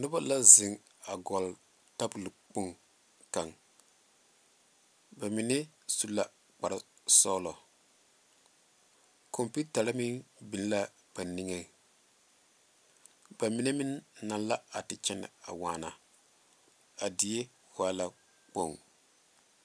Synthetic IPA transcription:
nʊ˦ba˦la˦zɪ˨ŋ | a˨ɡɔ˨l | ta˦bʊ˨lk͡pu˦ŋ | ka˨ŋ | ba˨mi˨ne˦ | su˦la˨ | k͡pa˨ɾa˦ | sɔː˦lɔ˨ | kʰo˨mpi˦ta˨la˦mi˦bi˨n˦la˦ | b̥a˨ni˦ŋe˨ | ba˨mi˨ne˦mi˦nːa˨n˦la˦a˨tɪ˨t͡ʃɛ˦nɪ̰˨a̰˨waː˨na˨ | a˨di˨e˦ | waː˦la˨ | k͡po˦˨ŋ

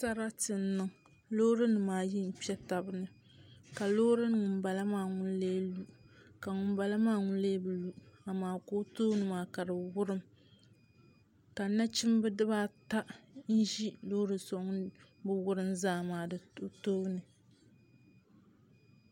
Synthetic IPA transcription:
sa˦ɾa˦tɨ˨n˦nɨ˨ŋ | lo˦ɾɨ˦nɨ˨maː˨ji˦n̩˨pɛ˦ta˨bɨ˦nɨ˨ | ka˨lo˦ɾɨ˦n˨ŋʊ˨mba˨la˦maː˦˨ŋʊ˦n˦leː˦lu˦ka˨ŋʊ˨mba˨la˦maː˦ŋʊ˦n˦leː˦bɨ˨lu˦a˨maː˨˦ko˦to˦nɨ˨maː˨ka˨dɨ˨wʊ˦ɾɨ˦m | ka˨na˦t͡ʃɪ˦mbɨ˦dɨ˦baː˦ta˦ʔn̩˦ʒi˦lo˦ɾɨ˨so˨˦ŋ˦bɨ˦wʊ˦ɾɨ˦mzaː˦˨maː˨dɨ˨o˦toː˦nɨ˨

